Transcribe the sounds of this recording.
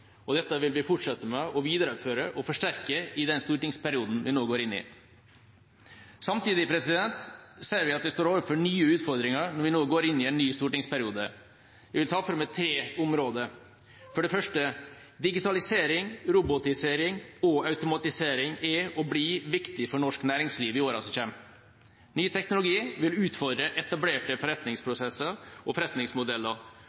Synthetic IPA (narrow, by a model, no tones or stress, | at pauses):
ɔd̪ɛt̪ːəʋɪlʋɪfʊʈʂɛt̪ːəmɛɔʋiːd̪əɾəføːɾəʔɔfɔʂʈæɾkəɪd̪ɛnst̪uːʈɪŋspæɾɪuːd̪n̩ʋɪnoːɡoːɾɪnːɪ̰ | sɑmt̪iːd̪ɪpʰɾɛsɪd̪ɛnt̪seːɾʋɪɑt̪̚d̪ɛst̪oːɾoːʋəɾfɔɳyːəʉːt̪fɔɾd̪ɾɪŋəɾnɔɾʋɪnoːɡoːɾɪnːɪɛnːyːst̪uːʈɪŋspʰæɾɪuːd̪ə | ʋɪʋɪlt̪ʰɑːfɔɾmɛt̪ʰɾeːʊmɾoːd̪ə | fɔɖɛfœʂʈə | d̪ɪɡɪt̪ɑlɪseːɾɪŋɾʊbʊt̪ɪseːɾɪŋɔɑʉt̪ʊmɑt̪ɪseːɾɪŋɛɔbliːʋɪkt̪ɪfɔɳɔʂknæːɾɪŋsliːʋɪoːɾɑ̰sɔçɛm | nyːt̪ʰɛknʊlʊɡiːʋɪlʉːt̪fɔɾd̪ɾəʔɛt̪ɑbleːʈəfɔɾɛt̪nɪŋspʰɾʊsɛsəɾɔfɔɾɛt̪nɪŋsmʊd̪ɛlːəɾ